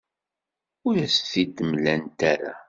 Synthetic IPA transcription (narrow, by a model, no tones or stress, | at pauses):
ʊɾæsθid̪əmlænt̪aɾa̰